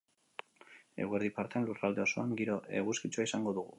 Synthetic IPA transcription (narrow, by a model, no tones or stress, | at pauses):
ḛɣweɾðipaɾt̪eanlurald̪e̞o̞so̞aŋɡiɾo̞e̞ɣuskit͡ʃuaisaŋɡo̞ðuɣṵ